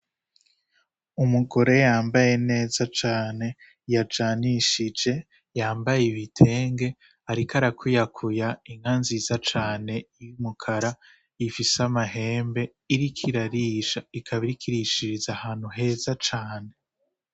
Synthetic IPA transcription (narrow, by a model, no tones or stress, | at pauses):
umuɡo̞ɾe̞jaːmbaje̞ne̞ːzat͡ʃaːne̞ | jad͡ʒaːniʃid͡ʒe̞ | jaːmbajeβitʰe̞ːŋɡe̞ | aɾikʰaɾakʰujakʰujaiŋɡanzizat͡ʃaːne̞jumukʰaɾa | ifisamaɦe̞ːmbe̞ | iɾikʰiɾaɾiːʃaikʰaβiɾikʰiɾiʃiɾizahaːn̥huɦe̞ːzat͡ʃaːne̞